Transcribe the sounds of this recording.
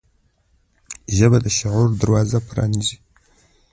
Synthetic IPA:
ʒɐbɐdɐʃɪʁʷʊrdɨrwaːzɐpʰɾa̰nd͡ʒiː

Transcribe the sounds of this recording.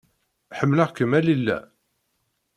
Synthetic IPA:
ħəmːləʁkəmælilːæ̰

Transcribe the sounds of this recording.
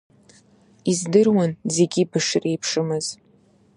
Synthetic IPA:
izdɨrwanze̞ɡʲibɨʂrejpʰʂɨmɨz̥

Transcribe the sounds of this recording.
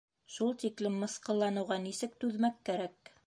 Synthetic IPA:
ʃulˠt̪iklɘmːɤ̆sqɤ̆lˠːɑnɤ̆wʁɑnisɘk̚t̪ʉðmækːæɾæk

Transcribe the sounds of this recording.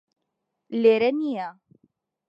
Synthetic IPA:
leɾenija

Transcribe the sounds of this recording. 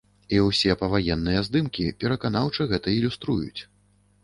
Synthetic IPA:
iwsʲɛpɐvajɛnːɨjɛzd̪ɨmkʲipʲɛɾɐkan̪awt͡ʂɨɣɛt̪ɐilʲust̪ɾujṵt͡sʲ

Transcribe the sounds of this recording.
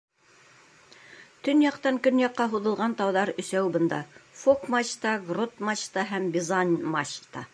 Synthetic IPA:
t̪ɵnjɑqt̪ɑŋkɵnjɑqːɑɦuðɤ̆lˠʁɑnt̪ɑwðɑɾɵ̆sæwbɤ̆nd̪ɑfokmaɕt̪ɑɡrot̪mɑɕt̪ɑɦæmbʲɪzanʲmaɕt̪ɑ

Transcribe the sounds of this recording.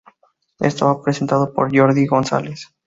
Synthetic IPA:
ḛst̪oβapɾese̞nt̪aðopoɾʝo̞ɾðiɣo̞nsa̰les

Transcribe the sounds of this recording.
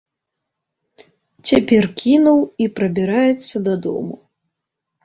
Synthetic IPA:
t͡sʲapʲɛrkʲʰinuwipɾɐbʲiɾajɛt̪sːɐd̪ɐd̪ɔ̰mṵ

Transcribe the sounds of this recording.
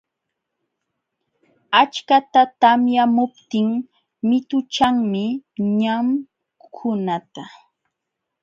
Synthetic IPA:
at͡ʃkat̪at̪amjamʊp̚t̪ɪŋ | mɪt̪ʊt͡ʃaŋmɪɲam | kʰʊnat̪a

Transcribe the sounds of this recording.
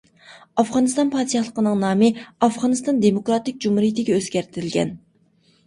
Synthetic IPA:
ɑfʁɑnɨst̪ɑnpʰɑɾt̪ʰjɑχlˠəqənɨŋnɑːmɨɑfʁɑnɨst̪ɑnd̪emokɾɑt̪ɪk̚ʲd͡ʒumhuɾijit̪ʰɪɡʲɛøzɡʲæɾt̪ʰɪɾɪlɡʲɛ̰n

